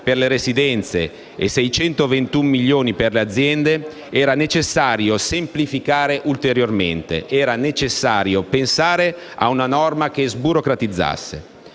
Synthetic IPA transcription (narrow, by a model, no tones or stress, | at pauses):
perleɾesid̪ɛnt̪sḛ | esɛjt͡ʃɛnt̪ovent̪umːiljːoːniperlead̪zːjɛnd̪e | ɛːɾanet͡ʃesːaːɾjosemplifikaːɾeʔult̪eɾjorment̪ḛʔɛːɾanet͡ʃesːaːɾjopensaːɾe | a̰unanɔrmak̟ezbuɾokɾat̪id̪zːa̰sːḛ